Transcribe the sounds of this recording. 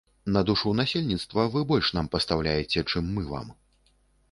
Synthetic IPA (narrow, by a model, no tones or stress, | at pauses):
nɐd̪uʂuwnasʲelʲnʲit̪st̪vɐvɨbɔlʲʂnampɐst̪awlʲajɛt͡sʲɛt͡ʂɨmːɨva̰m